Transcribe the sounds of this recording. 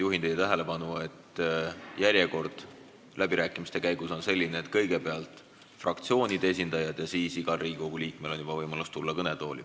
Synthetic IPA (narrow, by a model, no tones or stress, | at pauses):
juɦint̪ej̪t̪æɦe̞le̞pɑnue̞t̪ː | jæɾʲjeko̞rd̪̥ | lʔæbiɾæːkːˑimist̪e̞kæjɡ̥uso̞nse̞lʲːineːt̪kɤjɡ̥e̞pe̞ɑlt̪ˑ | frɑkt̪sio̞ːnʲid̪ees̬ʲind̪̥ɑjɑd̪̥jɑsiːsiɡ̥ɑlriːɡikoɡ̥uliːkme̞lo̞njub̥ɑvɤjmɑlust̪ulːɑkɤnet̪o̞ːlḭ